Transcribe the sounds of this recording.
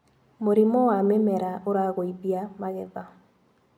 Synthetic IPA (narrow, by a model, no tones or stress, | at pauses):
moɾimɔwamɛmɛɾaoɾaɣoibjamaɣɛða